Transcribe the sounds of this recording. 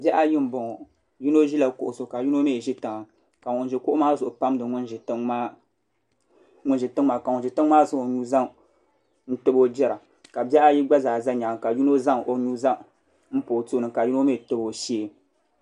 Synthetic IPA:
bɛ˦ʔa˦ji˦m˦bʊ˨ŋɔ˨ | ju˦no˦ʒi˦la˨kʊ̰˨ʔʊ˨so˨ka˨ju˦no˦me˦˨ʒi˦ta˨ŋa˨ | ka˨ŋʊ˨nʒɪ˨kʊ˦ʔʊ˦maː˦zʊ˨ʔʊ˨pa˦m˦dɨ˨ŋʊ˦nʒta˦ | ŋʊ˦nʒi˨tɨ˦ŋ˦ma˦ka˨ʊ˨nʒɪ˨tɨ˦ŋ˦maː˦zɨ˦o˨ɲuː˦za˦ŋ | n̩˦tɨ˦bo˦d͡ʒɛ˦ɾa˨ | ka˨bɛ˦ʔa˦ji˦ɡ͡ba˦zaː˨za˦ɲa˨ŋ˨ka˨ju˦no˦za˦ŋ˨ʔo˨ɲuː˦za˦ | m̩˦po˨tu˦˨nɨ˨ka˨ju˦no˦me˦˨tɨ˦bo˨ʃi˦e˦

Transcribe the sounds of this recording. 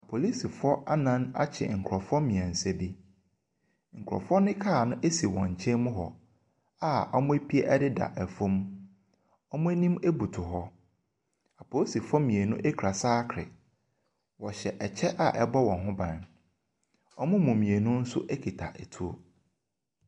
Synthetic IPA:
a˨pʰo˨li˦si˨fʊ˦ɔ˦ʔa˦nã˦na̰˦t͡ɕʰɛ̰˨ŋ̩˨kʰɾɔ˨fʊ˦ɔ˦mĩ˨ɛ̃˨n̩˨sɛ˦bi˦ | ŋ̩˨kʰɾɔ̰˨fʊ˦ɔ˦nɪ̃˦kʰa˦˨nʊ̃˦ʔe˦si˨wɔ̃˨ɲ̩˨t͡ɕʰɛ̃˦mʊ̃˦ɦɔ̰˨ | a˨ɔ̰˦mʊ̃˦e˦pʰi˦e˦ʔɛ˦dɪ˦da̰˨ʔɛ˨fõ˦m | ɔ˦mʊ̃˦e˦nĩ˦me˦bu˨tʰʊ˨ɦɔ˦ | a˨pʰo˨˦si˨fɔ˦mĩ˨e˨nʊ̃˦ʔe˦kʰɾa˨saː˦kʰɾɪ̰˨ | wɔ˨ɕɛ˨ʔɛ˨t͡ɕʰɛ˦ʔa̰˨ʔɛ˦bɔ˦wɔ̃˨nɦʊ̃˦bã˨n | ɔ˦mʊ̃˦mũ˨mĩ˨e˨nʊ̃˦n̩˦sʊ̰˦ʔe˦kʰi˨tʰa˨ʔɛ˨tʰu˦o̰˦

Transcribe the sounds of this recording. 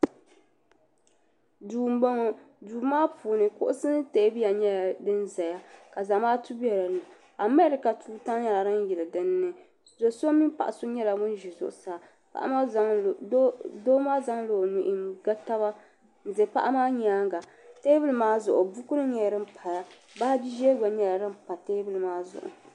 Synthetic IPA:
duː˨m˦bo˦ŋ˨ | duː˨maː˦pʰuː˨nɨ˨kʊ̰˦ʔʊ˦sɨ˦nɨ˦teː˦bi˦ja˨ɲɛ˦˨dɨ˦nza˨ja˦ka˨za˨maː˦tu˦bɛ˨ɾa˨nɨ˨ | a˨mɛ˦ɾɪ˨ka˨tʰuː˦ta˦ŋ˦ɲa˦la˨ɾa˦n˦jɛ˨lɨ˨dɨ˦nːɨ˦ | zo˨so˦mi˦pa̰˨ʔa˨so˦ɲɛ˦la˨mʊ˦n˦ʒi˨zʊ̰˨ʔʊ˨saː˨ | pa̰˦ʔa̰˦ma˦za˦˨o˦do˦maː˦za˦ŋlo˨nu˨ʔɪ˨ɡa˦ta˦ba˦˨ | ze˨pa̰˦ʔa˦maː˦ɲ˦aː˦ŋɡa˨ | teː˦bɨ˦lɨ˦maː˦zʊ˨ʔʊ˨bu˦kʊ˦ɾɨ˦ɲɛ˨jɾɨ˦m̩pʰa˨ja˦ | ba˦bi˦ʒɛ˦ɡa˨ɲɛ˨la˨ɾɨ˦mpa˨teː˦bɨ˦lɨ˨maː˦zʊ̰˨ʔʊ̰˨

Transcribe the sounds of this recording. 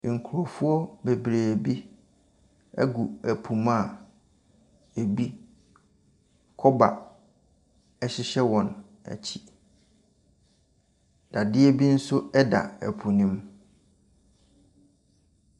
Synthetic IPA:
ŋ̩˨kʰu˨ɾo˨fʊ˦ɔ˦be˨bɾeː˨bi˦ | ɛ̰˦ɡu˨æ˨pʰu˨ma˨ | e˨bi˦ | kʰɔ˦ba˨ | ɛ˨ɕɪ˦ɕɛ˦wɔ̃˨n | æ̰˨t͡ɕʰi̥˦ | d̥a˨dɪ˦ɛ˦bi˦n̩˦sʊ˦ɛ˦da̰˨ɛ̰˨pʰũ˨nĩ˦m

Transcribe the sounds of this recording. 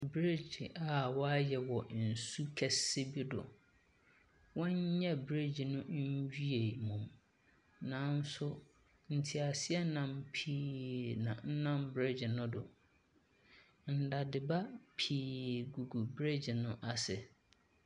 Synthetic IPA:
bɾe˦d͡ʑɪ˨ʔa˨wɔ˦a˦jɛ˨wɔ˨n̩˨su˦kʰɛ˨sɪ˦bi˦dʊ̰˨ | wɔ̃˦ɲ˦ɲɛ̃˦bɾe˦d͡ʑi˨nʊ̃˦ɲ˦d͡ʑᶣɥe˨mũ˨m | nãː˨˦n˦sʊ˦ | n̩˨tʰi˨a˨sɪ˦ɛ˦nã˨mpʰiː˨˦nã̰˨n̩˦nã˦˨mbɾe˦d͡ʑɪ˨nʊ̃˦dʊ˨ | n̩˨da˨dɪ˨ba˦pʰiː˨ɡu˨ɡu˨bɾe˦d͡ʑi˨nʊ̃˦ʔa˨sɪ˨

